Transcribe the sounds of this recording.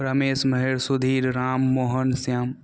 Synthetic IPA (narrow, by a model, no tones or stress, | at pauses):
pɾɐmeːsmɐɦeɾsʊd̪ʱiːɾɾaːmːoːɦənsjaːm